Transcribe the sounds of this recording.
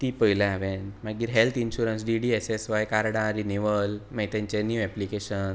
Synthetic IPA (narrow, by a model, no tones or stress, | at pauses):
t̪ipəɦilaaʋẽnmaɡiːɾɦelt̪ʰinɕuɾəns̬ɖiɖiesesʋajkaɾɽãɾiniʋəlmɛjt̪ãɲt͡ɕenjuːɛplikeɕən